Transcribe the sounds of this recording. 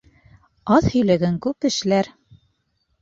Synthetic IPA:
ɑðhɵ̆jlæɡɘŋkʉpɘ̆ʃlæɾ

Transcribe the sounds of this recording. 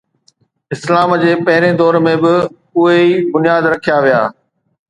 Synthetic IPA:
ɪslaːmd͡ʑeːpɐɦɪɾẽd̪ɔːɾmẽbɪ | ʊɦeibʊnijaːd̪ɾɐkʰijaʋija̰ː

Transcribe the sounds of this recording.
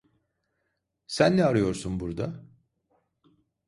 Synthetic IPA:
sænːɛaɾɯjo̞ɾsunbuɾd̪a

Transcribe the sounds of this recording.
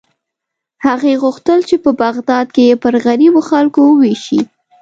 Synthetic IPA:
haɣeɣuxt̪əlt͡ʃepəbaɣd̪ɑd̪̚kejepəɾɣaɾiboxalkowəweʃi

